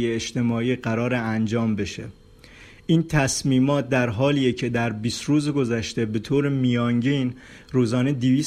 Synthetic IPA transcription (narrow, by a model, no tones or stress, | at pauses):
jeeʃt̪e̞mɒːiːɢæɾɒːɾeænd͡ʒɒːmbe̞ʃe̞̰ | ʔiːnt̪ʰæsmiːmɒːt̪̚d̪æɾɦɒːliːjecʰe̞d̪æɾbiːst̪ɾuːzeɡo̞zæʃt̪e̞be̞t̪ʰoːɾemijɒŋɟin | ɾuːzɒːned̪iviːs